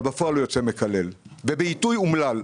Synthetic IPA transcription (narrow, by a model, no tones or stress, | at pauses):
bafoalojo̞t͡seme̞kale̞lvebeitujumlal